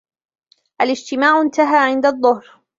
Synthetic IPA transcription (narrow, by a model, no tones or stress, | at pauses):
ʔalɪd͡ʒt̪ɪmaːʕɪnt̪aɦaːʕɪnd̪aðˤːʊhɾ